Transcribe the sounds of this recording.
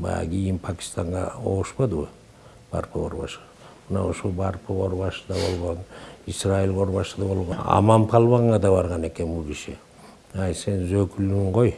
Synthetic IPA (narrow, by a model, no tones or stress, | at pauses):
bɑ̰jɑ̰ɡʲijɪnpʰakʲi̥st̪ɑɴʁɑo̰ʁəʃpɑd̪ɨwə | b̥ɑ̰ɾpʰəo̰ɾbɑ̰ʃɨ̥ | mənɑ̰oʃolˠbɑɾpʰəʁoɾβɑʃɯ̥d̪ɑbo̞̰lˠʁonisrailʁo̞ɾβɑʃɯd̪ɑbo̞lˠʁoɑ̰mɑmpʰɑlˠβɑɴːɑd̪ɑβɑɾʁɑne̞ke̞nbulˠkiʃɪ | æjse̞nzøkylyŋqoj